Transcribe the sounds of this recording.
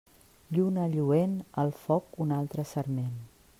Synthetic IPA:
ʎunəʎuenəlˠfɔkunalˠt̪ɾəsəɾmen

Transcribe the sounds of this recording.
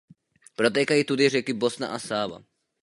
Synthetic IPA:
pɾot̪̬ɛːkajiːt̪ud̪irɛkibosna̰ʔasaːva̰

